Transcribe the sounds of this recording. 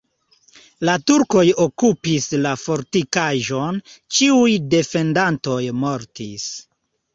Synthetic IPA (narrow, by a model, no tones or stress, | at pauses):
latuɾko̞jokupislafo̞ɾtikaʒo̞nt͡ʃiujde̞fe̞ndanto̞jmo̞ɾtis